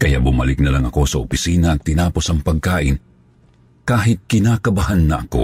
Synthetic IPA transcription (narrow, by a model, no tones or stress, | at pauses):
kɐja̰ʔbʊmalɪk̚nɐlaŋɐko̞sɐopɪsiːnɐʔɐt̪ɪnaːpo̞sɐŋpɐɡ̚kaːʔɪn | kaːɦɪt̪̚kɪnakɐbɐhanːɐʔɐko̞̰